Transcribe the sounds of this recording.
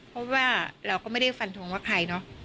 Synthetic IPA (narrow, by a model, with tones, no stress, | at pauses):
pʰɔ˦˥waː˥˩ɾa˧wkɔː˥˩ma˥˩jda˥˩jfa˧nt̪ʰo˧ŋwaː˥˩kʰa˧jnɔ˦˥ʔ